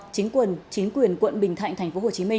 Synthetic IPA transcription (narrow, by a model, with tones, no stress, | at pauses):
t͡ɕi˨˦ŋ̟kwə˨˩nt͡ɕi˨˦ŋ̟kwi˨˩ənkwə̰˧˨nɓï˨˩ŋt̪ʰa̰˧˨jŋt̪a˨˩ŋ̟fo˨˦ho˨˩t͡ɕi˨˦mï˧